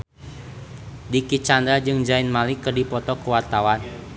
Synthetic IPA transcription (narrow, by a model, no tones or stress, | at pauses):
dikit͡ʃand̪ɾad͡ʒɨŋd͡ʒaɪnmalikərdipɔt̪ɔkəwart̪awan